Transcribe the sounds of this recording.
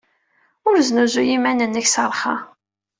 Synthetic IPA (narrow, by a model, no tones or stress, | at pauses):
ʊɾznuzujimænənːæçsəɾˤχɑ̰